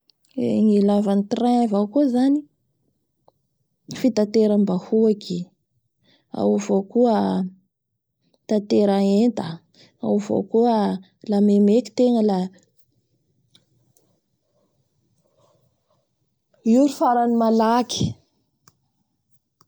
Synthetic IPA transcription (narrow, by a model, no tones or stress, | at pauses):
ḛŋilavanit̪irãavawkuzani | fit̪at̪eɾambahuaki | a̰wvokuə | t̪at̪eɾaend̪a | a̰wvo̰kuə | lamemeki̥t̪eŋəla | uɾufaɾanimalaki̥